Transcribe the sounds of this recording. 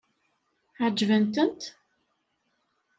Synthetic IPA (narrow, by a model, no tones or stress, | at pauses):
ʕd͡ʒːvənt̪ənt̪